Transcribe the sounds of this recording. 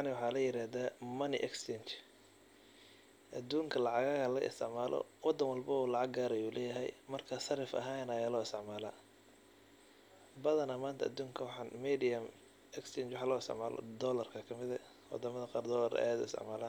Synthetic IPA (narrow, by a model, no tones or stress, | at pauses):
nɪwħɑːlɐjɪɾaːðaːmɐnɪʔɛkst͡ʃɛnt͡ʃ | ʔɐd̪uːŋkʰɐlɑʕɑɣaːɣɐlɐɣ̰ɪ̰st̪ʰɪʕmaːlɔ̰wɑd̪ɐnwɐlbɐɔːlɑʕɑɡɡaːɾɐjuːlɛːjɐɦɛ̰jmɐrkʰɐsɐɾɪfɐ̰ɦaːnɐjaːlɔːɪst̪ʰɪʕmaːla̰ː | bɐðɐnɐmaːnt̪ʰɐɐd̪uːŋkʰɐwħnmiːd̪ijɐm | ɛkst͡ʃɛːnt͡ʃwɑħaːlɔːɪst̪ɪ̰ʕmaːlɔ̰d̪ɔːlɐrkʰɐkʰɐmɪðɐ | wɑ̰d̪ɐmɐðɐqɑːrd̪ɔːlɐr̰jad̪ʊ̰ɪst̪ʰɪ̰ʕmaːlaːn